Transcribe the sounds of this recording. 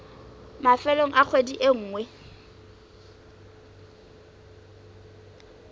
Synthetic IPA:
mafɛloŋ̩ʔak͡xʰwediʔeŋ̩ːŋwɛ

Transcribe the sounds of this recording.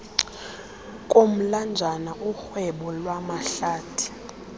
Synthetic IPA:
kʼom̩land͡ʒʱanaʔuxwɛɓɔlwamaɬaːtʰi̥

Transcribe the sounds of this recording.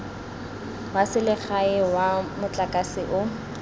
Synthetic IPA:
wasɪlɪχaɪwamʊt͡ɬʼakʼasɪʔʊ

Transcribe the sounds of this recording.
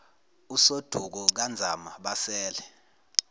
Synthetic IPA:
usod̥ʱuk̬ɔk̬and͡zʱamaɓasɛːlɛ

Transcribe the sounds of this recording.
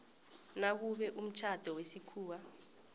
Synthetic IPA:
nak̬uɓɛʔum̩t͡ʃʰad̥ʱɔwesikʰuːwa

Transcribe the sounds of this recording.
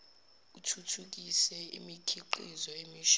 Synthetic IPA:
utʰutʰuk̬isɛḭmikʰiǃizɔemiʃ

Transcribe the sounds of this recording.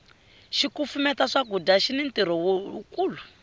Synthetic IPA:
ʃikufumɛtaʂaɡudaʃinintiɾɔwoukuːlu

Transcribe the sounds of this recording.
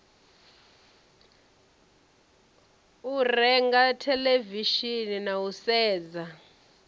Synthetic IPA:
urɛŋɡatʰɛleviʃininausɛːd͡za

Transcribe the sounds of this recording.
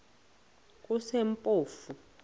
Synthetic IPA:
k̬ʼusempʼoːfu

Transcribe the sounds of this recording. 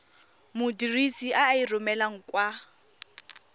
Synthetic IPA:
mʊdirisiʔaːirʊmɛlaŋ̩kwa

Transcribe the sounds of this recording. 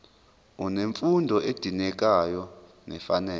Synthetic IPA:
uneɱfundʱɔʔed̥ʱinɛk̬ʼajɔ | nɛfanɛː

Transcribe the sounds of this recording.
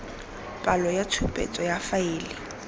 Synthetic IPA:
pʼalɔjat͡sʰupʼḛt͡sʼɔjafaeːlɪ

